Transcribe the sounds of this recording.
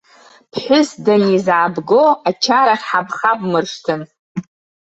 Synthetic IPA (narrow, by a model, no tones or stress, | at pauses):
pʰħʷʊsdanizʕabɡoat͡ʃʰaɾaχʲħabχapʼmɨrʂtʰɨn